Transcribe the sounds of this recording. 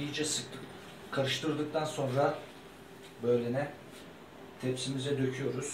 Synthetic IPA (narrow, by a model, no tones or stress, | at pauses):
ijid͡ʒɛsɯk̪̚ɯ | kʰaɾɯʃt̪ʰɯɾd̪ɯk̚t̪ʰanso̞nɾa | bø̞jlʲenɛ | t̪ʰɛpsimizɛd̪ø̞cʰyjo̞ɾuz̥